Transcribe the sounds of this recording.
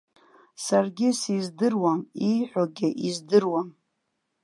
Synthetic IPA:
sarɡʲɪsizdɨrwamijħʷᶣaɡʲɪʔizdɨrwam

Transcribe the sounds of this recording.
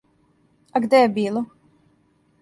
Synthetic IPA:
aɡd̪ɛbiːlˠu

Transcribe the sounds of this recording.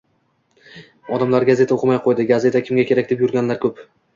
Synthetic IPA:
ɒd̪amlaɾɡaze̞t̪ʰaoqʰɨmajqʰojd̪ɪɡaze̞t̪ʰakʲʰɪmɡʲakʲʰe̞ɾakʲd̪epjʊɾɡʲanlaɾkʲʰɵp

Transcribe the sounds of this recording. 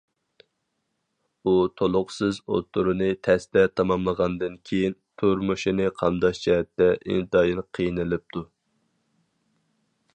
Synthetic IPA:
ut̪ʰolˠʊqsɨzo̰t̪ʰːuɾɨnɨt̪ʰɛst̪ɛt̪ʰɑmɑmlˠəʁɑnd̪ɨnkʲʰejint̪ʰuɾmuʃinɨqʰɑmd̪ɑʃd͡ʒɛɦɛt̪ːɛʔḭnt̪d̪ɑjinqʰijnɨlɪp̚t̪ʰu

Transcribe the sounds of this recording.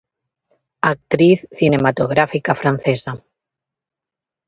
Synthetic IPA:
ak̚t̪ɾiθθinemat̪oɣ̞ɾafikafɾan̟θesa

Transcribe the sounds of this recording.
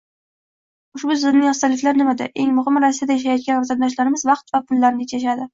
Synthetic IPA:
ʊʃbʊzɪɾnɪjɒst̪alɪflaɾnɪmad̪a̰ʔe̞ŋmʊhɪmɾasijad̪ajaʃ̬ajɒt̪̚ɡʲanɒft̪ʰad̪̚d̪ɒʃ̬laɾɪmɪzvɑq̚t̪vapʰʊlːaɾnɪt͡ʃʰaʃ̬ad̪ɪ

